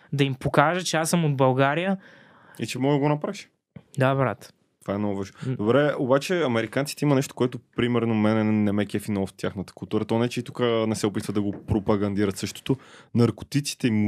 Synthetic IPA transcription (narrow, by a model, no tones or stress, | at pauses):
d̪ɐimpokaʒət͡ʃɛasəmod̪̚bɐlˠɡaɾijə | it͡ʃɛmɔəɡonɐpɾaʃ | d̪abɾa̰t̪ | t̪ovaɛnɔvaʒnod̪obɾɛobat͡ʃɛɐmɛɾikant̪si̥t̪ɛimɐnɛʃt̪o̥koɛt̪opɾimɛɾnomɛnɛnɛmɛkʲɛfinɔlˠft̪ʲjaxnət̪ə̥kʊlˠt̪uɾət̪ɔnɛt͡ʃɛit̪ukənɛsɛʊpit̪vəd̪ɐɡopɾopɐɡɐnd̪iɾət̪sɤʃt̪o̥t̪onɐɾko̥t̪it̪si̥t̪ɛim